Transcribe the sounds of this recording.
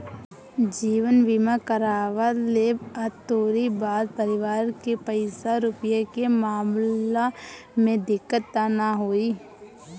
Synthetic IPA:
d͡ʒiːʋənʋimakəɾaːʋalebət̪oːɾibaːd̪̚pəɾɪʋaːɾkepəɪsaɾʊpjekemaːma | mẽd̪ɪkːət̪ːanaɦoːiː

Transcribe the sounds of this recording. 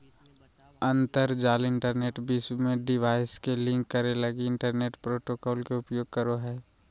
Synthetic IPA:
ə̃nt̪əɾd͡ʒaːlɪ̃ɳʈəɾneːʈbismẽɖɪʋaːɪskelɪ̃ŋkːəɾeləɡiɪ̃ɳʈəɾneːʈpɾoːʈokɔːlkeʊpjoːɡ̚kəɾoɦɛː

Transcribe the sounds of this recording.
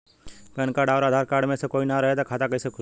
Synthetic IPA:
pɛnkaːɖaːɾaːd̪ʱaːɾkaːɾɖmẽsekoːinaɾɐɦet̪akʰaːt̪akɐisekʰʊ

